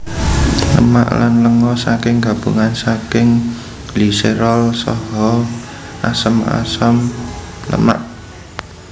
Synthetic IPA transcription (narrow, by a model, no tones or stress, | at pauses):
lə̰ma̰ʔla̰nləŋɔsakɪŋɡa̤b̥ṵŋansakɪŋ | liseɾɔlsɔ̰ɦɔ | ʔasəma̰səmlə̰ma̰ʔ